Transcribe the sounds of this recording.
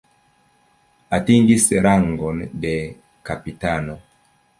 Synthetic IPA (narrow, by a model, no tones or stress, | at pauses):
atiŋɡisɛɾaŋɡɔndɛ | kapitanɔ